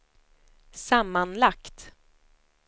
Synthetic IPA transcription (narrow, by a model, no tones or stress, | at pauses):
samːanlakt̪